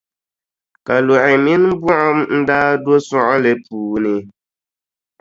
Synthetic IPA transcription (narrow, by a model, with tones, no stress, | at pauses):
ka˨lo˨ʔɪ˨mi˦n˦bu˦ʔa˦mn̩˦daː˦do˦sɔ˦ʔɔ˦lɛ˨puː˨nɪ˨